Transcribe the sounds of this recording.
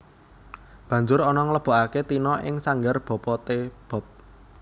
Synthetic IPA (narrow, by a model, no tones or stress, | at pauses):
b̥ä̤ɲd͡ʒʊɾɔnɔŋələb̥ɔ̤ʔaket̪inɔʔɪ̰ŋsaŋɡərb̥ɔ̤pɔt̪eb̥ɔ̤p̚